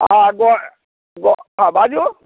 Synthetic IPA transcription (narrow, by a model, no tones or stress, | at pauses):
aɡɔ | ɡɔabad͡ʒo